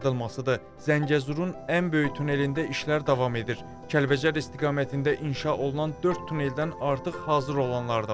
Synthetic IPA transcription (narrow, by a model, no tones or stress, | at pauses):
d̪ɯlˠmɑsɯd̪ɯ | zæɲɟæzuɾunænbø̞jyt̪ʰune̞lind̪æʔiʃlæɾd̪ɑvɑme̞d̪iɾ | cʰælbæd͡ʒæɾist̪ʰiɡɑːmæt̪ʰind̪æʔinʃɑʔo̞lˠunɑnd̪ø̞ɾt̪ʰːune̞ld̪ænɑɾt̪ʰɯχhɑːzɯɾo̞lˠɑnlˠɑɾd̪ɑ